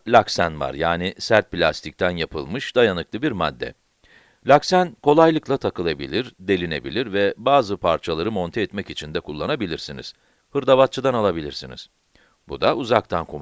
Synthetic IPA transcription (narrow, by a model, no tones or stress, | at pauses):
lʲaksænva̰ɾjaːnisæɾt̪̚plʲast̪ʰic̚t̪ʰænjapʰɯ̰lˠmɯʃd̪ajanɯklˠɯbiɾmad̪ːɛ̰ | lʲaksænkʰo̞lˠajlˠɯklˠat̪ʰakɯlˠabḭlʲiɾd̪e̞lʲine̞bḭlʲiɾvɛbaːzɯpʰaɾt͡ʃʰalˠaɾɯmo̞nt̪ʰɛɛt̪mɛcit͡ʃʰind̪ɛkʰulˠːanabilʲiɾsinḭz̥ | hɯɾd̪avat̪̚t͡ʃʰɯd̪analˠabilʲiɾsinḭz̥ | bud̪aʔuzak̚t̪ʰankʰom